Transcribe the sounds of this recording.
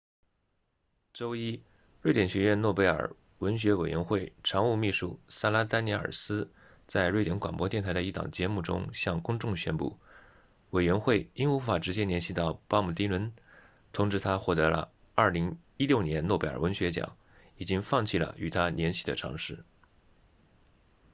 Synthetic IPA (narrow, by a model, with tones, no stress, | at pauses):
ʈ͡ʂo˥ʊi˥ | ɻwe˥˩ɪt̪jɛ˨˩nɕɥɛ˧˥ɥɛ˥˧nnwɔ˥˩pe˧˥ɪə̰˞˨˩ | wə˧˥nɕɥɛ˧˥we˨˩ɪɥɛ˧˥nxwe˥˩ɪʈ͡ʂʰɑ˧˥ŋu˥˧mi˥˧ʂu˥˩sa˥la˥t̪a˥ni˧˥ə̰˞˨˩sɹ̩˥ | t͡sa˥˧ɪɻwe˥˩ɪt̪jɛ˧˥nkwa˨˩npwɔ˥t̪jɛ˥˩nt̪ʰa˧˥ɪd̪ə˧i˥˩t̪ɑ̰˨˩ŋt͡ɕjɛ˧˥mu˥˩ʈ͡ʂʊ̰˥ŋɕjɑ˥˧ŋkʊ˥ŋʈ͡ʂʊ˥˧ŋɕɥɛ̰˥npṵ˥˩ | we˨˩ɪɥɛ˧˥nxwe˥˩ɪi˥nu˧˥fa˨˩ʈ͡ʂɻ̩˧˥t͡ɕjɛ˥njɛ˧˥nɕi˥˩t̪ɑ˥˩ʊpa˥mu˨˩t̪i˥wə˧˥n | t̪ʰʊ˧˥ŋʈ͡ʂɻ̩˥˩t̪ʰa˥xwɔ˥˩t̪ɤ˧˥lə̰˧ | ɐ˞˥˩li˧˥ŋ | i˥ljo˥˩ʊnjɛ˧˥nnwɔ˥˩pe˧˥ɪə̰˞˨˩wə˧˥nɕɥɛ˧˥t͡ɕjɑ̰˨˩˦ŋ | i˨˩t͡ɕi˥ŋfɑ˥˧ŋt͡ɕʰi˥˩lə̰˩y˨˩t̪ʰa˥njɛ˧˥nɕi˥˩d̪ə̰˩ʈ͡ʂʰɑ̰˧˥ŋʂɻ̩˥˩